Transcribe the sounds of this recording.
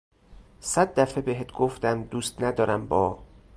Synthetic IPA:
sæd̪̚ːæfebeɦet̪̚ʰɡ̥oft̪æmd̪uːst̪næd̪ɒːɾæmbɒː

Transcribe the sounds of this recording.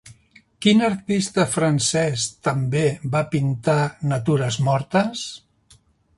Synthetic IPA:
kinəɾt̪ist̪əfɾənsɛst̪əmbeβapint̪anət̪uɾəzmɔɾt̪əs

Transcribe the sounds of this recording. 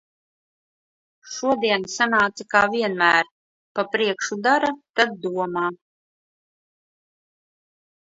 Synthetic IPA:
ʃuɔd̪iɛnsanaːt̪sakaːviɛnmæːɾ | papɾiɛkʃud̪aɾat̪ad̪̚ːuɔmaː

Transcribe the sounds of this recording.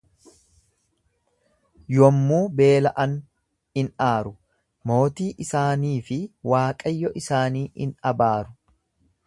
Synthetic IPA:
jɔmːuːbe̞ːlɐʔɐn | ɪnaːɾʊ | mo̞ːt̪iːʔɪsaːniːfɪwaːkʼɐjːɔʔɪsaːniːɪ̰nɐbaːɾʊ̥

